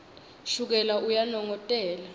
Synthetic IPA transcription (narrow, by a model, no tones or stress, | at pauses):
ʃuk̬ɛlaʔujanɔŋɔtʼɛːla